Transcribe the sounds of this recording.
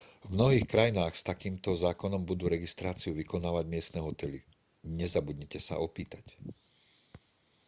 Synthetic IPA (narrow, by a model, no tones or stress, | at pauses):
vmnɔɦiːxkɾajinaːxst̪akiːmt̪ɔzaːkɔnɔmbud̪uːɾɛɡist̪ɾaːt͡siuʋikɔnaːʋaɟmɪɛst̪nɛːɦɔt̪ɛli | ɲɛzabud̪ɲɛcɛsa̰ɔpiːt̪ac